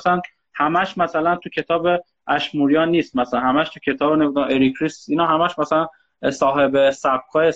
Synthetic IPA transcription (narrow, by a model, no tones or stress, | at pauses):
sæn | hæmæʃmæsælænt̪ʰucʰe̞t̪ʰɒːbe | æʃmuːɾijɒːnːiːst̪mæsælænhæmæʃt̪ʰucʰe̞t̪ʰɒːbonemid̪æeɾikʰɾisinɒːɦæmæʃmæsælæn | sɒːɦe̞besæb̥̚kʰɒːje